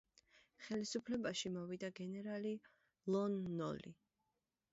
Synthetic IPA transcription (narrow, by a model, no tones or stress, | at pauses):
χɛlisupʰlɛbaʃimɔvid̪aɡɛnɛɾali | lˠɔnːɔ̰lḭ